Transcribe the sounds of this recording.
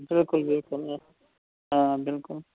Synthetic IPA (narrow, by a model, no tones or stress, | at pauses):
bɪlkulbɪlkula | ãbɪlkul